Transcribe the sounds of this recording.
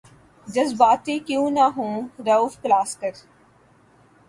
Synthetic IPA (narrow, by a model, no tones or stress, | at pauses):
d͡ʒɐzbaːt̪ikjũːnaɦũːɾɐuːfklaːskəɾ